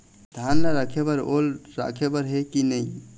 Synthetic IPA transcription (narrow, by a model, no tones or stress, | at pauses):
d̪ʱanːaɾakʰebəɾolɾa̰kʰebəɾɦekinəj